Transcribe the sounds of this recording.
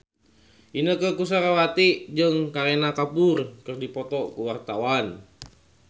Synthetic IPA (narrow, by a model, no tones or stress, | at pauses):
ʔinəkəkus̬aɾawat̪id͡ʒəŋkaɾenakapurkɨrdipɔt̪ɔkuwart̪awan